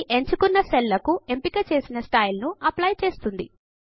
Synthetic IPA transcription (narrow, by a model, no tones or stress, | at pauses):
ʔe̞ɲt͡ʃukunːɐselːɐkue̞mpikɐt͡ʃe̞ːsinɐsʈaːjlnuɐplɐjt͡ʃe̞ːst̪und̪i